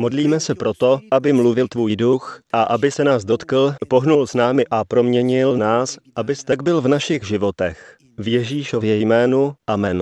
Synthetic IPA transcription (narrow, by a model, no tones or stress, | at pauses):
mo̞dliːmɛsɛpɾo̞t̪o̞ʔabɪmluvɪlt̪vuːjduxʔaʔabɪsɛnaːzdo̞t̪kl̩po̞ɦnulsnaːmɪʔapɾo̞mɲɛɲɪlnaːsʔabɪst̪ɛɡ̚bɪlvnaʃɪɣʒɪvo̞t̪ɛ̰x | vjɛʒiːʃovjɛjmɛːnuʔamɛn